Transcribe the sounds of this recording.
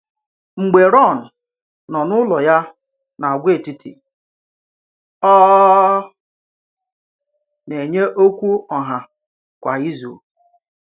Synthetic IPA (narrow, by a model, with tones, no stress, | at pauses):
ŋ͡m̩˨ɡ͡be˨ɾɔ˦˨n̩˨ | nɔ˨nʊ˦lɔ˨ja˦ | na˨a˨ɡʷe˦˨ti˨tḭ˨ | ɔ˦ | ne˨ɲe˦ʔo˦kʷu˦ɔ˨ɦa˨ | kʷa˨i˦zṵ˨